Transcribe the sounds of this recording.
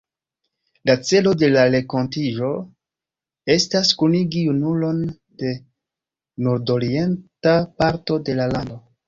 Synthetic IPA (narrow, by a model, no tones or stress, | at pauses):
lat͡se̞lo̞de̞lale̞ko̞ntiʒo̞ | e̞staskuniɡijunulo̞n | de̞ | nuɾdo̞ɾie̞ntapaɾto̞de̞lalando̞